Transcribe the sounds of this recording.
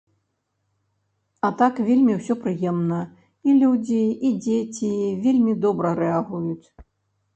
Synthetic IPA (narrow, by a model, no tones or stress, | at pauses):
ɐt̪akvʲelʲmʲiwsʲɔpɾɨjɛmnɐ | ilʲud͡zʲiːd͡zʲet͡sʲivʲelʲmʲid̪ɔbɾɐɾɛaɣujut͡sʲ